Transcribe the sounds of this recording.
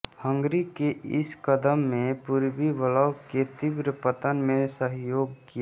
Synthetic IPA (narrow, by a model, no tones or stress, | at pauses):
hə̃ŋɡɾikeʔɪskəd̪əmːẽpuɾbiʋələwket̪ibɾəpət̪ənmẽsəɦjoːɡ̚kija